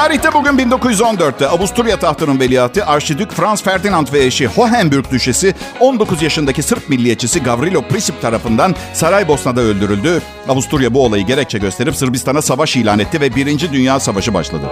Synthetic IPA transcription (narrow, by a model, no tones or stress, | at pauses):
aːɾiçt̪ɛbuɟynbind̪o̞kuzjyzo̞nd̪øɾt̪ːɛabust̪ʰuɾjat̪ʰaht̪ʰɯnɯnvelʲijaːt̪ʰɯʔaɾʃid̪ycfɾansfæɾd̪inant̪vɛeɾʃiho̞ɦænbyɾc̚d̪yʃesɪo̞nd̪o̞kʰuzjaʃɯnd̪acisɯɾp̚milʲːijet͡ʃʰisiɡavɾilʲo̞pʰɾisip̚t̪ʰaɾafɯnd̪ansaɾajbo̞snad̪aølʲd̪yɾylʲd̪y | abust̪uɾjabuo̞lˠajɯɟe̞ɾɛc̚t͡ʃʰɛɟø̞st̪ʰe̞ɾipsɯɾbist̪ʰanasavaʃiːlʲaːnɛt̪ʰːivɛbiɾind͡ʒid̪ynjaːsavaʃɯba̰ʃlˠa̰d̪ɯ̰